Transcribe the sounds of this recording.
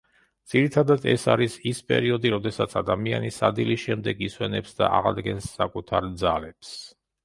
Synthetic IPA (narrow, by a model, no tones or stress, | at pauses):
d̪z̥iɾit̪ʰad̪ad̪ɛ̰saɾisispʼɛ̰ɾiɔd̪iɾɔd̪ɛsat̪sʰad̪amianisad̪iliʃɛmd̪ɛɡiswɛnɛpsd̪a̰ʔaʁad̪ɡɛnsːakʼut̪ʰaɾd̪zalɛps